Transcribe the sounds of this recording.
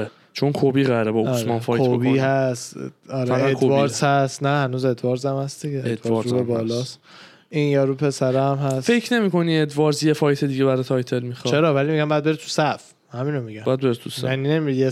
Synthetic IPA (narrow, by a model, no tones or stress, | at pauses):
e | t͡ʃʰonkʰobiːɣæɾebɒsmɒnfɒkːjʰobobiːhæst̪ɒːɾeæʁaedk̪ovɒɾshæst̪næhænuːzed̪vɒɾzæmhæsd̪iɡeed̪vɾubebɒːlɒs | injɒːɾupʰe̞sæɾeæmɦæsfekʰne̞miːkʰo̞nied̪vɒɾzjefɒːjt̪ʰed̪iːɟeβæɾɔt̪ʰɒjt̪ʰelmixɒt͡ʃʰeɾɒːvælimiɡæmbæːd̪be̞ɾet̪ʰu̥sæf | hæmiːnomiɡæmbæd̪beɾet̪ʰusaninemije